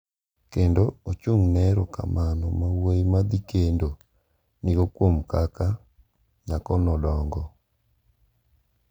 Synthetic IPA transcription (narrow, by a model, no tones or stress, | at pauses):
kendoot͡ʃuŋnɛɾɔka̰manɔmawejmad̪ikendo | nɪɡokwomkaka | ɲakɔnɔdɔŋɡɔ